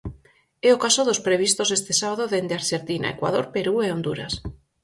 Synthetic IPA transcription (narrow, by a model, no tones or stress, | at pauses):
eokasoðospɾeβ̞ist̪osest̪esaβaðoðend̪eaɾseɾt̪ina̰ḛkwa̰ð̞oɾpeɾueond̪uɾa̰s